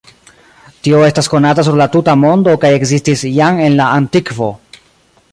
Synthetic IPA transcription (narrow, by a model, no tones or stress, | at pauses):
tio̞e̞stasko̞natas̬uɾlatutamo̞ndo̞kaje̞kzistisjaŋe̞nlaantikvo̞